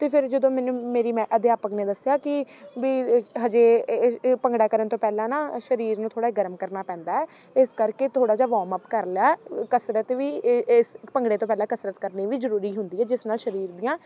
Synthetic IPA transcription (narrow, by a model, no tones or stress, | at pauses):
t̪eːpʰɪɾd͡ʒəd̪õːmɛːnũːmeːɾiːmɛ̃ːʔəd̪eːaːpəkneːd̪əsɪjaːkɪʋiːɦəd͡ʒeːpəŋɡɽaːkəɾənt̪õːpɛːlãːnaːʃəɾiːɾnũːt̪ʰoːɽaːiːɡəɾəmkəɾnaːpɛ̃ːnd̪aːɛː | ɪskəɾkeːt̪ʰoːɽaːd͡ʒaːʋɔːməpkəɾlaːkəsɾət̪ʋiːspəŋɡɽeːt̪õːpɛːlãːkəsɾət̪kəɾniːʋiːzəɾuːɾiːɦʊnd̪iːɛːd͡ʒɪsnaːlʃəɾiːɾd̪ijãː